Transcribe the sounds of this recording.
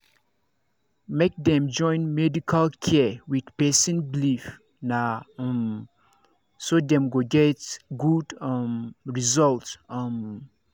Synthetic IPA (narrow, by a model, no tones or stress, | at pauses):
mek̚dɛ̃md͡ʒɔ̃ɪ̃nmɛdikʰalkʰɛwidpɛsĩnblif | nãm | sodɛ̃mɡoɡɛtɡudmɹizɔltm